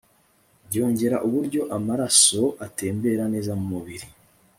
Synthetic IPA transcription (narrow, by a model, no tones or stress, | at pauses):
jo̞ːɲɟe̞ɾaʔuβuɾɟo̞ʔamaɾaso̞ʔate̞ːmbe̞ɾane̞ːzamumuβiɾi